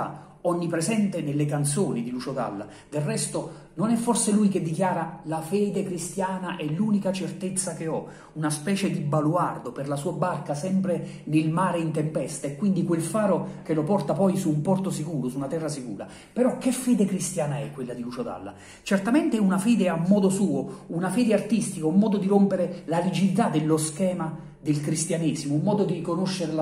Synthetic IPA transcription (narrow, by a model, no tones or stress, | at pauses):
a̰ | ɔɲːipɾezɛnt̪enelːekant̪soːnid̪ilut͡ʃod̪a̰lːa̰ | d̪errɛst̪o | nonɛfːɔrselujked̪ːikjaːɾalafɛːd̪ekɾist̪jaːnaʔɛlːuːnikat͡ʃert̪et̪sːakeɔ | unaspɛːt͡ʃed̪ibaluard̪operlasuːabarkasɛmpɾenelmaːɾeint̪empɛst̪aekːwind̪ikwelfaːɾok̟elopɔrt̪apɔjsuːmpɔrt̪osikuːɾosunat̪ɛrːasikuːɾa̰ | peɾɔk̟ːefːɛːd̪ekɾist̪jaːnaɛkːwelːad̪ilut͡ʃod̪a̰lːa̰ | t͡ʃert̪amɛnt̪eɛunafɛːd̪eamːɔːd̪osuːounafɛːd̪eart̪ist̪ikaumːɔːd̪od̪iɾompeɾelalid͡ʒid̪it̪ad̪elːoskɛːma | d̪elkɾist̪janɛːzimoumːɔːd̪od̪irikonoʃːeɾel